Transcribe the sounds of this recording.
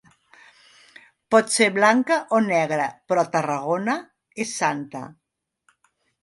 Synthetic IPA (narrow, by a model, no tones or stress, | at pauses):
pɔt̪seɾβlaŋkəʔonɛɣ̞ɾəpɾɔt̪ərəɣ̞onə | esːant̪ə̰